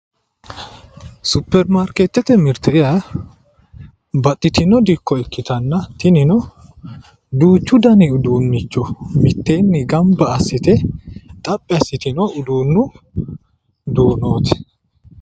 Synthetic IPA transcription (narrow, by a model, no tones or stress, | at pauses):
sʊpːɛɾmaɾket̪ːɛt̪ɛmɪɾt̪ɛjɐ | bɐt̪ʼːɪt̪ɪnɔd̪ɪkʰːɔɛkːɪt̪ɐnːɐt̪ɪnɪnɔ | d̪uːt͡ʃːʊd̪ɐnɪʊd̪uːnːɪt͡ʃːɔmɪt̪ːe̞ːnːɪɡɐmbɐːsːɪt̪ɛt̪ʼɐpʼːɪɐsːɪt̪ɪnɔʊd̪uːnːʊ | d̪oːnoːt̪ɛ̥